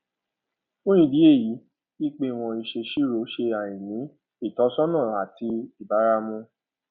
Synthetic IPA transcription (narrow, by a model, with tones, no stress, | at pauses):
o˦j̃ĩ˦˨di˨˦e˦˨ji˨˦ | i˦k͡pe˧w̃ɔ̃˧i˧ʃe˧ʃi˦ɾo˨˦ʃe˧a˨j̃ĩ˨nĩ˨˦ | i˦˨tɔ˨˦sɔ˦nãː˦˨a˨ti˧i˦˨ba˨˦ɾa˧mũ˧